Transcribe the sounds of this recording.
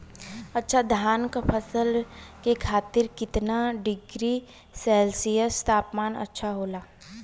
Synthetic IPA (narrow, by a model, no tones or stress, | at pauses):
ɐtːʃʰad̪ʱaːnkpʰəsəlkekʰaːt̪ɪɾkɪt̪naɖɪɡɾi | sɛːlsijəst̪aːpmaːnə̰tːʃʰaɦoːlaː